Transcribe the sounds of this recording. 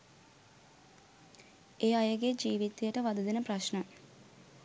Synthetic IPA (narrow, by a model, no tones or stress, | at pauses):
eːajəɡed͡ʒiːʋit̪ejəʈəʋad̪ud̪enəpraʃnə